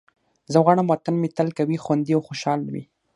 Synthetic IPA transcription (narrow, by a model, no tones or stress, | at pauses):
zəɣaɳamwat̪anmet̪alkawixwand̪iawxoʃɑlnawḭ